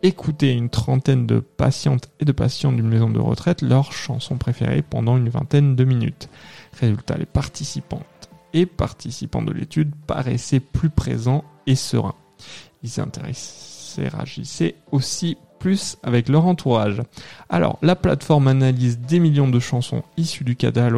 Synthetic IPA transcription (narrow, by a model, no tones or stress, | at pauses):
ekʰut̪eynt̪χɑ̃t̪ɛnd̪ə̰pa̰sjɑ̃t̪ed̪əpasjɑ̃d̪ynmezɔ̃d̪ə̰ʁə̰t̪χɛt̪lœʁʃɑ̰̃sɔ̰̃pχefḛʁḛpɑ̰̃d̪ɑ̃ynvɛ̃t̪ɛnd̪əminy̰t̪ʁezylt̪a̰lepaʁt̪isipɑ̃t̪ | epaʁt̪isipɑ̃d̪ə̰lʔet̪yd̪pa̰ʁɛ̰sɛplypχezɑ̃esə̰ʁɛ̰̃ | ilzɛ̰̃t̪eʁɛḛʁa̰ʒḭseosi | plysavɛklœʁɑ̃t̪ʰuʁaʒa̰lɔ̰ʁlapla̰t̪fɔʁmanalizd̪emiljɔ̃d̪əʃɑ̃sɔ̰̃isyd̪yka̰d̪al